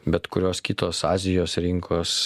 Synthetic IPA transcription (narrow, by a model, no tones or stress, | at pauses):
bʲɛt̪kʊɾʲoːskʲɪt̪oːsɑːzʲɪjoːsɾʲɪŋkʰoːs